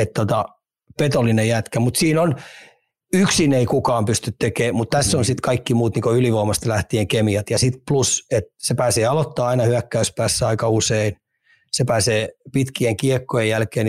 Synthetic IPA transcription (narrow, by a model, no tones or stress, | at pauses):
et̪t̪ot̪ɑ | pet̪olːˑinejæt̪kæmut̪siːnon | yksineikukɑːmpyst̪yt̪t̪ekeːmut̪t̪æsːonsit̪kɑikːimuːt̪niːŋkoyliʋoːmɑst̪læht̪ieŋkemiɑt̪jɑsit̪pluset̪sepæːseːɑlot̪ːɑːɑinɑhyækːæyspæːsːæɑikɑusein | sepæːseːpit̪kieŋkiekːojejjælkeːn